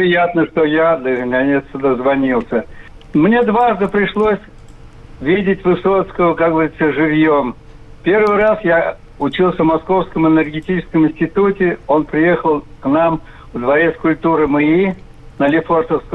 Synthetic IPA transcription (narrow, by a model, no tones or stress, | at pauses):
pɾʲɪjat̪nəʂt̪ojad̪lʲəknʲɐnʲet̪sd̪əzvɐnʲilˠsʲə | mnʲed̪vaʐd̪ɨpɾʲɪʂlˠosʲ | vʲidʲɪtʲvɨsot̪skəəkaɡbəzʲɪt̪səʐɨvʲjom | pʲe̞rvɨjɾasja | ʊt͡ɕilˠsʲəvmɐsko̞fskəmɨnʲərɡʲɪtʲit͡ɕɪskəmɪnʲsʲtʲɪt̪utʲɪo̞npɾʲɪje̞xəlˠknam | vd̪vɐɾʲet̪skʊlʲt̪uɾɨmɨi | nəlʲɪfort̪əfsk